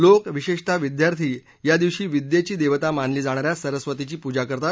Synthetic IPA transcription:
lokʋiɕeʂt̪ʰaʋid̪jaɾt̪ʰiː | jad̪iʋɕiːʋid̪jet͡ɕiːd̪eʋət̪amanliːd͡zaɽ̃aɾjasəɾəsʋət̪it͡ɕiːpud͡ʑakəɾt̪at̪

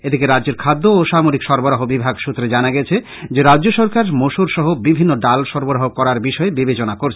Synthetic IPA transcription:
ed̪ʱikeɾadːd͡ʑeɾkʰad̪ːoːʃamoɾikʃɔɾboɾaɦobibʱaɡʃut̪ːɾed͡ʑanaɡɛt͡ɕʰe | d͡ʑeɾadʑoʃɔɾkaɾmoʃuɾʃɔɦobibʱinːoɖalʃɔɾboɾaɦokɔɾaɾbiʃɔebibet͡ɕonakoɾt͡ɕʰe

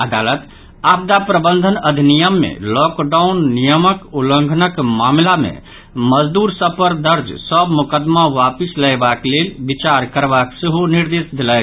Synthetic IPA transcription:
əd̪alət̪ | ab̚d̪apɾəbənd̪ʱənəd̪ʱinijəmːḛlɔkɖaunːijəməkulə̃ŋɡʱnəkmamlamḛ | məd͡ʒd̪uɾsəpəɾd̪əɾd͡ʒsəbmukəd̪maʋapisləjbaklelbit͡ʃaɾkəɾbakseɦoniɾd̪esd̪elək

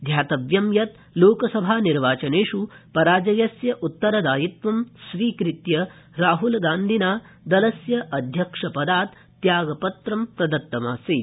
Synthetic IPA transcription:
d̪ʱjaːt̪ɐʋjɐmjɐt̪ | loːkɐsɐbʱaːniɾʋaːt͡ʃɐneːʂupɐɾaːd͡ʒɐjɐsjɐʔut̪ːɐɾɐd̪aːjit̪ʋɐmsʋiːkɾit̪jɐ | ɾaːɦulɡaːnd̪ʱinaː | d̪ɐlɐsjɐʔɐd̪ʱjɐkʂɐpɐd̪aːt̪ː | jaːɡɐpɐt̪ɾɐmpɾɐd̪ɐt̪ːɐmaːsiː

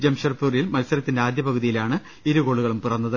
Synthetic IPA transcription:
d͡ʑɐmɕɐrpːuːrjilmɐlsɐɾɐt̪ːindeaːd̪jɐpɐɣɐðijilaːɳɨ | iɾuɣo̞ːɭuɣɐɭumpurɐnːɐðɨ

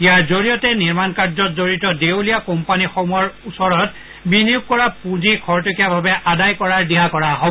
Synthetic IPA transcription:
ijaɹzoɹijɔtɛniɹmankaɹzɔt̚zoɹitɔdewlijakɔmpanixɔmujɔɹusɔɹɔt | binijuɡ̚kɔɹapũzikʰɔɹtokiabʱabɛʔadajkɔɹaɹdiɦakɔɹaɦɔ

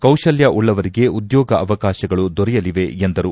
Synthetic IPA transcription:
kɐwʃɐljɐʔuɭːɐʋɐɾiɡe̞ud̪jɔːɡɐʔɐʋɐkaːʃɐɡɐɭud̪ɔɾɛjɐliʋe̞end̪ɐɾu

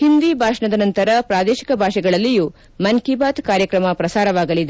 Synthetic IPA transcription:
hind̪ibʱaːʂɐɳɐd̪ɐnɐnt̪ɐɾɐpɾaːd̪eːʃi̥kɐbʱaːʃɛɡɐɭɐlːiju | mɐŋkibaːt̪kaːɾjɐkɾɐmɐpɾɐsaːɾɐʋaːɡɐlid̪e

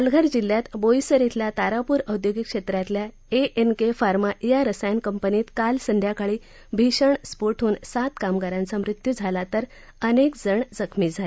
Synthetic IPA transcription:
əlɡʱəɾd͡ʑilːjat̪bojsəɾit̪ʰljat̪aɾapuːɾəwd̪joɡikʂet̪ɾat̪lja | eʔenkefaɾmajaɾəsajankəmpəniːt̪kalsənd̪ʱjakaɭiː | bʱiɕəɳspoʈʰuːnsat̪kamɡaɾãnt͡samɾɪt̪jud͡zʱalat̪əɾ | ənekd͡zəɳd͡zəkʰmiːd͡zʱale

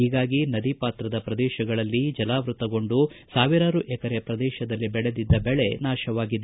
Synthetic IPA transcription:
iːɡaːɡinɐd̪ipaːt̪ɾɐd̪ɐpɾɐd̪ɛːʃɐɡɐɭɐlːid͡ʒɐlaːʋɾut̪ɐɡo̞ɳɖusaːʋiɾaːɾuʔɛkɐɾɛɐpɾɐd̪ɛːʃɐd̪ɐlːibɛɭed̪id̪ːɐbɛɭe̞naːʃɐʋaːɡid̪ːe

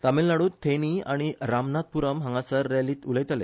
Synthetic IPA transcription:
t̪amelnaɽuːt̪ʰeniaɽ̃iɾamnat̪̚puɾəmɦãŋɡasəɾːaliːt̪uləjt̪alḛ

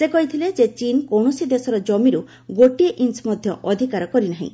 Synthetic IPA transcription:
sekɔɦit̪ʰiled͡ʒet͡ʃinkowɳɔsid̪esɔɾɔd͡ʒɔmiɾu | ɡoʈieʔinsmɔd̪ʱjɔʔɔd̪ʱikaɾɔkɔɾinaɦḭ̃

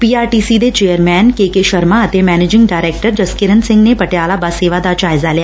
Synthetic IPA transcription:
piːaːɾʈiːsid̪et͡ʃeːjəɾmɛːnkekeʃɐɾmaɐt̪emɛːneːd͡ʒɪ̃ŋɡɖaːɪɾeːk̚ʈəɾd͡ʒɐskɪɾənsɪ̃ŋɡnepɐʈjaːlabaseːʋad̪ad͡ʒaːɪzalija

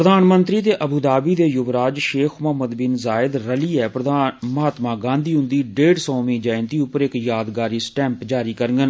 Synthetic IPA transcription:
pɾəd̪aːnmənt̪ɾiːt̪eːʔəbʱuːd̪aːbiːd̪eːjʊʋɾaːd͡ʒʃeːkʰməɦməd̪bɪnzaːɪd̪ɾəliːɛːpɾəd̪aːməɦaːt̪mãːɡãːnd̪ʱiːɦʊ̃nd̪iːɖeːɖsɔːmĩːd͡ʒaːɪnt̪iːʊpːəɾɪkjaːd̪ɡaːɾiːsʈɛ̃ːmpd͡ʒaːɾiːkəɾɡən

